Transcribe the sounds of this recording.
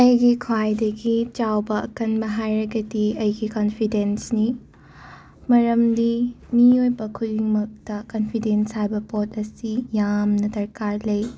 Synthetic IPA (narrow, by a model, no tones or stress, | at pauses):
ɐjɡikʰwajdɐɡit͡ʃawbɐʔɐ̰kɐnbɐɦajɾɐɡɐdiɐjɡikonpʰidensni | mɐɾɐmdi | miojbɐkʰudiŋmɐk̚tɐkonpʰidenshajbɐpot̚ɐsijamnɐdɐɾkaɾlɐj